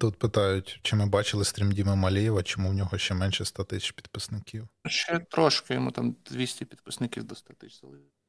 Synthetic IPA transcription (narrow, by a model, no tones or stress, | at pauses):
t̪ut̪pɪt̪ɑjʊtʲt͡ʃɪmɪbɑt͡ʃɪlˠɪst̪ɾʲimdʲimɪmɐlʲijɛʋɐt͡ʃɔmuwnʲɔɦɔʃt͡ʃɛmɛnʃɛst̪ɑt̪ɪsʲɪ̥t͡ʃpʲi̥d̪pɪsnɪkʲiwʃt͡ʃɛt̪ɾɔʃkɐjɔmut̪ɑmd̪ʲʋʲisʲtʲɪpʲid̪pɪsnɪkʲiwd̪ɔst̪ɑt̪ɪt͡ʃsɐlˠɪ